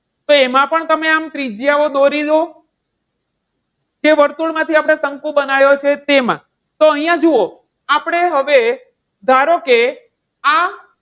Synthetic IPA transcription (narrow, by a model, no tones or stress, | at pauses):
t̪oemãpəɳt̪əmeamt̪ɾid͡ʒijaʋod̪oɾid̪o | d͡ʒeʋəɾt̪uɭmãt̪ʰiapɽ̃esəŋkũbənajot͡ʃʰet̪emã̰ | t̪oəɦijãd͡ʒuo | apɽ̃eɦəʋe | d̪ʱaɾoke | a